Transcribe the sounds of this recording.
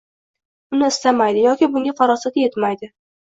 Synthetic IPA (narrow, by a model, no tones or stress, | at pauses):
ʊnɪːst̪amajd̪ɪjɒkʲɪbʊŋɡʲafaɾɒsat̪je̞t̪majd̪ɪ